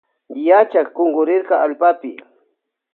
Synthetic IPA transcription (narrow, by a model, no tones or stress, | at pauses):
jat͡ʃakkoŋɢʊɾɪɾkɑalpapɪ